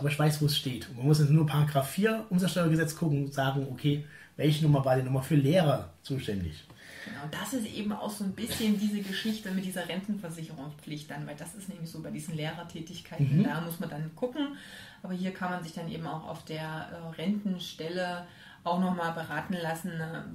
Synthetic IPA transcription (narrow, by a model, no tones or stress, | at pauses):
abɐɪçv̥aɪsv̥oːsʃteːtʊnmanmʊsjɛsnuːɐpʰaːʁaɡʁaːfːiːɐʔʊmzasʃtɔɪɐɡəzɛt͡skʰʊkŋ̩ʊz̥aːɡŋ̩okʰeː | vɛlçənʊmɐvaːɐdɛːnɔχmaːlfyːɐleːʁɐt͡suːʃtɛndɪ̰ç | ɡ̥ənaʊd̥asɪstʔḛːbm̩a̰ʊxz̥oːnbɪsçəndiːzəɡəʃɪçtəmɪtd̥iːzɐʁɛntn̩fɛɐzɪçəʁʊŋspp͡flɪçt̚d̥anvaɪldasɪstnɛːmlɪçz̥oːbaɪdiːzn̩leːʁɐtʰɛːtɪçkʰaɪnn̩d̥aːmʊsmandanɡ̥ʊkŋ̩ | ʔʔaːbɐɦiːɐkʰanmanzɪçd̥anʔḛːbm̩a̰ʊxa̰ʊfd̥eːɐʔɛːʁɛntn̩ʃtɛlə | ʔaʊxnɔχmaːlbəʁaːtn̩lasn̩nə